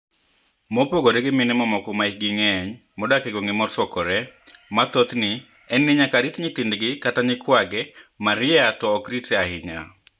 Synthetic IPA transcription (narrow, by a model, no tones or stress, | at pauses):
mɔpoɡoɾeɡɪmɪnɪmɔmɔkɔmaiɡɪŋɛɲmɔdakɛɡoŋɪmɔtɔkɔɾɛmat̪ot̪nɪ | ɛnːɪɲakaɾitɲɪt̪indɡɪkataɲɪkwaɡɛmaɾɪɛatɔːkɾitɛahɪɲa̰